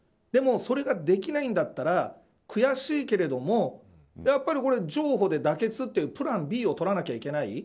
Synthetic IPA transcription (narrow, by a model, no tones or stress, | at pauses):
d̪̥e̞mo̞so̞ɾe̞ɡad̪e̞kʲinaĩnd̪at̪ːaɾa | kɯ̟jaɕiːke̞ɾe̞d̪o̞mo̞ | japːaɾʲiko̞ɾe̞d͡ʑo̞ːɦo̞d̪e̞d̪ake̞t͡sɨt̪ːeɯpɯ̟ɾãmbʲiːo̞t̪o̞ɾanakʲaikʲe̞nai